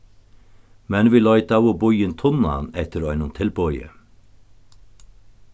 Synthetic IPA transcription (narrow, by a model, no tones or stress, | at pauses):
mɛnʋiːlɔʏt̪awʊbʊjɪnt̪ʰʊna̰nɛt̪əɾɔʏnʊnt̪ʰɪlbɔʏə̰